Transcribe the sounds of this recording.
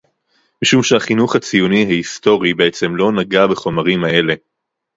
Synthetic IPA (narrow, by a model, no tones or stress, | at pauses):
miʃumʃehaχinuχhat͡sijuniɦaisto̞ʁibeet͡se̞mlo̞naɡabe̞χo̞maʁimae̞le̞